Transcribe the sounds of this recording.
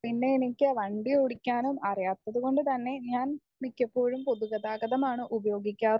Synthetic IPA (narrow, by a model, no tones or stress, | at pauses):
inːeenikʲːɨʋɐɳɖioɽikʲːaːnumɐrijaːt̪ːɐðuɣo̞ɳɖɨt̪ɐnːe̞ɲaːn | mikʲːɐpːo̞ːɻumpo̞ðuɣɐðaːɡɐðɐmaːɳɨʔubɐjo̞ːɡikʲːaːr